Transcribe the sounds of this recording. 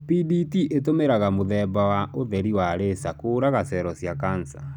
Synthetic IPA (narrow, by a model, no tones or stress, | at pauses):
piditiʔetomeɾaɣamoðɛbawaʔoðɛɾiwaɾesakoːɾaɣasɛɾɔsjakansa